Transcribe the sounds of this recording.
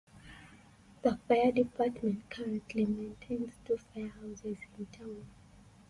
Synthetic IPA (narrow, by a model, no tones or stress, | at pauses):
ðəfajədipʰatmɛ̃ntkʰaɹɛ̃ntʰlimẽntʰẽɪ̃nztʰufajəhaʊsɛzĩntʰãʊ̃n